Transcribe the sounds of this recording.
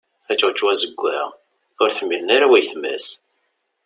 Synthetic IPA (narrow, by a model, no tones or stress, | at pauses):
æt͡ʃːəʁt͡ʃːwæzəɡʷːæ̰ʁ | ʊɾθħmːilənaɾæwæjθmæ̰s